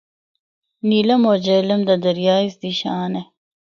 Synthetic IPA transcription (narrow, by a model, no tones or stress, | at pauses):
nilɐmod͡ʑelɐmd̪ɐd̪ɐɾjɑːisd̪iɕɑːne